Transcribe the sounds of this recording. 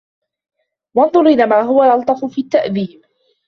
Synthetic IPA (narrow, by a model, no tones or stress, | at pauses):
wɑnðˤʊɾʔɪlaːmaːɦʊwalʔɑlt̪ˤɑfʊfiːat̪ːaʔðiːb